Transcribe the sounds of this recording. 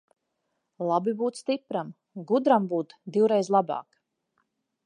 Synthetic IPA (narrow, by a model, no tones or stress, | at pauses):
lˠabibuːt̪st̪ipɾam | ɡud̪ɾambuːt̪d̪iwɾɛjzlˠabɑ̰ːk